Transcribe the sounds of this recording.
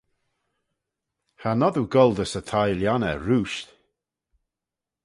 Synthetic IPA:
hanɔduɡɔlˠd̪əsət̪ʰajljanə̰ɹuːʃt̪

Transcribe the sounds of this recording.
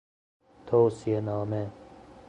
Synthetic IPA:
t̪ʰowsienaːme

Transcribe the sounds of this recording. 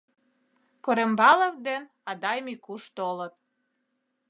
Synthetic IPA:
koɾembɑləvd̪en | ɑd̪ɑjmikuʃt̪olət̪̚

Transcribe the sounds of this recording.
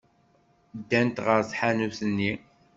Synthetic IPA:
d̪ːænt̪ʁəɾsħanusənːi

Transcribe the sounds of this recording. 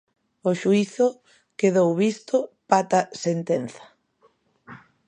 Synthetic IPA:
oʃuiθʊ | keðowβist̪ʊpat̪ɐsent̪en̟θɐ̥

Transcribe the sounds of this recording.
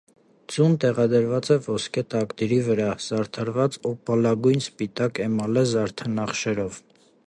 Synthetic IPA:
d͡zunt̪ɛʁɑd̪əɾvɑt͡sɛvɔskʰɛt̪ɑkt̪iɾivəɾɑz̥ɑɾt̪ʰɑɾvɑt͡sɔpɑlɑɡujnspit̪ɑkɛmɑlɛzɑɾt̪ʰənɑχʃɛɾɔv

